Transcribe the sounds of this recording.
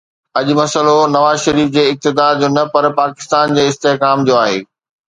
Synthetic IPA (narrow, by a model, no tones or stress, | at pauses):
ɐʄʊmɐsəlonɐʋaːzʃɐɾiːfd͡ʑeːɪk̚t̪ɪd̪aːɾd͡ʑoːnɐpɐɾpaːkɪ̥st̪aːnd͡ʑeːɪst̪eːɦkaːmd͡ʑoːaːɦḛː